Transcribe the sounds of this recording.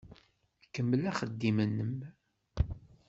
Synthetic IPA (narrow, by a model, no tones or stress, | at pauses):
kːəmːəlæχəd̪ːimənːəm